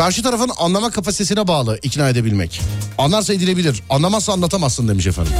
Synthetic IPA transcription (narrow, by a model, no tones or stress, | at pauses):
kʰaɾʃɯt̪ʰaɾafɯnanlˠamakʰapasit̪ʰe̞s̬inɛbaːlˠɯʔicnaːed̪e̞bilʲmɛ̰canlˠaɾsaid̪ilʲe̞bilʲiɾanlˠamassaːnlˠat̪ʰamasːɯnd̪emiʃefæ̰nd̪im